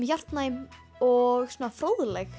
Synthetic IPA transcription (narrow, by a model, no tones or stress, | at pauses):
mjar̥t̪najm | ɔɣsɔːnafɾoːwðlɛx